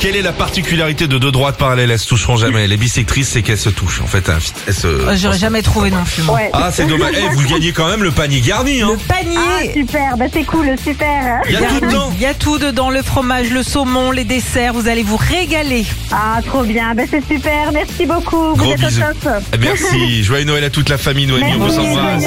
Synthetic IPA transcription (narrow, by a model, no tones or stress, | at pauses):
kʲɛlɛlapaʁt̪ikʲyljaʁit̪ed̪əd̪ød̪ʁwat̪̚paʁalɛlɛlsə̥t̪uʃʁɔ̃ʒamɛlebisek̚t̪χisːɛkɛlsət̪uʃɑ̰̃fɛt̪ɛ̰̃fit̪ɛlsə̰ʒɔʁɛʒamɛt̪χuvenɔ̃pym̃wɛasɛd̪ɔmaʒevuɡaɲekɑ̃mɛmləpaɲeɡaʁniɛ̃əpaɲesypɛʁbasɛkulsypɛʁjaat̪ud̪d̪ɑ̃jat̪ud̪əd̪ɑ̃ləfχɔmaʒləsomɔ̃led̪esɛʁvuzalevuʁeɡaleat̪χobjɛ̃basɛsypɛʁmɛʁsibokʰuvɡuzʁɛtb̪zɔsmɛʁsiʒwainɔɛlat̪ut̪lafamijnɔɛmiɔ̃vusɑ̃a